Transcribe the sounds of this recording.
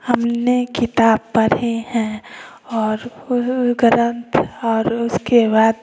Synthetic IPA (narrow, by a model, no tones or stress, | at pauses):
həmnekɪt̪aːb̚pəɾehɛ̃ | ɔːɾʊɡɾə̃nt̪ɔːɾʊskebaːd̪